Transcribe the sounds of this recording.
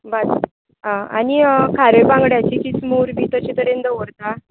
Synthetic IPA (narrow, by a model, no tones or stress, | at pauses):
bat̪ | ɦãanikʰaɾebãŋɡɽjat͡ɕiːt͡ɕit͡smuːɾbit̪ət͡ɕit̪əɾend̪əʋəɾt̪a